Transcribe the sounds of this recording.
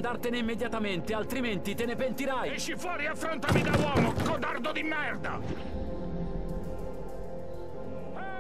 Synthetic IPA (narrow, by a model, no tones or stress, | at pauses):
nd̪art̪eneimːed̪jat̪ament̪ealt̪ɾiment̪it̪enepent̪iɾajɛʃifwɔːɾiafːɾont̪amid̪awɔːmokod̪ard̪od̪imːɛrd̪a̰